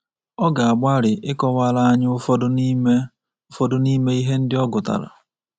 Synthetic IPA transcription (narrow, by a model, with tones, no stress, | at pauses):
ɔ˦ɡa˨a˨ɡ͡ba˦ɾɪ˨ʔɪ˦kɔ˦wa˦la˦a˦ɲʊ˦ʊ˦fɔ˦dm˦ | ʊ˦fɔ˦dʊ˦ni˦me˦i˦ɦe˦n̩˦dɪ˦ɔ˦ɡʊ˨ta̰˨la̰˨